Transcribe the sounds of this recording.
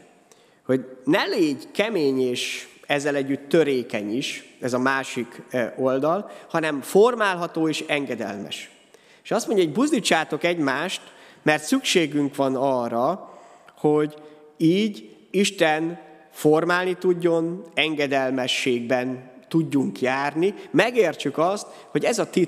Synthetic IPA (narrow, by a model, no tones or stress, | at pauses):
ho̞ɟnɛleːɟkɛmeːɲeːʃɛzːɛlɛɟːyt̪ːøɾeːkɛɲiʃɛzɒmaːʃiko̞ld̪ɒlhɒnɛmformaːlɦɒt̪oːeːʃɛŋɡɛd̪ɛ̰lmɛ̰ʃ | eːʃɒst̪mo̞ɲɟɒoɟbuzd̪it͡ʃːaːt̪o̞kɛɟmaːʃt̪mɛrt̪sykʃeːɡyŋkʋɒnɒrːɒ | hoɟ | iːɟ | iʃt̪ɛn | formaːlnit̪uɟːo̞nɛŋɡɛd̪ɛlmɛʃːeːɡ̚bɛnt̪uɟːuŋkjaːrnimɛɡeːrt͡ʃykɒst̪ | ho̞ɟɛzɒt̪i